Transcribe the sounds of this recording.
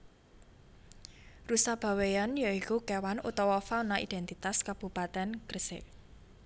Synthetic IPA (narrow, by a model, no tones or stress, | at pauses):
rusab̥a̤wejanjɔikukɛwanṵt̪ɔwɔfanaʔḭd̪ɛnt̪it̪askab̥ṳpat̪ɛnɡ̥ərsḛ